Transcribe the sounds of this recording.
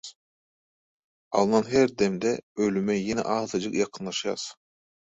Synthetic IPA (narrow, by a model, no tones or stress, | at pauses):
ɑ̰lˠnɑnɦɛɾd̪ɛmd̪ɛølymɛjinɛ̰ʔɑːzɑd͡ʒɯkjɑqʰɯnlˠɑʃjɑ̰s